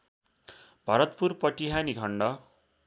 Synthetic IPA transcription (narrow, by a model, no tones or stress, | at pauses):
bʱʌɾʌt̪purpʌʈiɦaniɡʱʌɳɖʌ